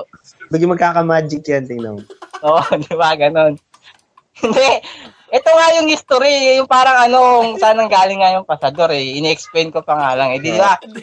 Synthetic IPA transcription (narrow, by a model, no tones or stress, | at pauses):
bɐɡɪmɐɡ̚kaːkɐmaːd͡ʒɪkjant̪ɪŋna̰ʔoːʔod̪ɪbaɡɐno̞n | hɪnd̪ɛ | ʔɛt̪oŋajʊŋhɪst̪oɾijʊŋpaːɾɐŋɐno̞kʊŋsaːnɐŋɡaːlɪŋːajʊŋpɐsɐd̪o̞ɾɛʔɪnɛʔɛksplejnkopɐŋaːlɐŋʔɛd̪ɪnɪba